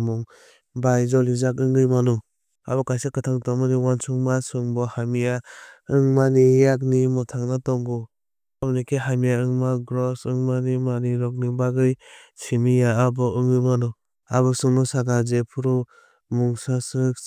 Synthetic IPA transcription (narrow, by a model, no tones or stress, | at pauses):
mɔŋ | bajzɔlizakɯŋɡɯjmanu | a̰bɔkajsakɯtʰaŋtɔŋmɯniwansuŋmasɯŋbɔhamijaɯŋmanijak̬̚nimɔtʰaŋnatɔŋɡu | abnikʰiɦamijaɯŋmaɡɾɔsɯŋmanimaniɾɔk̚nibaɡɯj | simijaːbɔɯŋɡɯjmanu | aβɯsɯŋnɔsaɡazepʰuɾɔ | muŋsasɯk